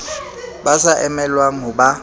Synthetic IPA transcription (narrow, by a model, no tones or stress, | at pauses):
basaʔɛmɛlwaŋ̩ɦʊba